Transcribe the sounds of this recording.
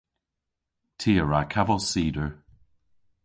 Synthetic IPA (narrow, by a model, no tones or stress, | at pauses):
tʰiːəɹakʰavɔlˠsiːdəɹ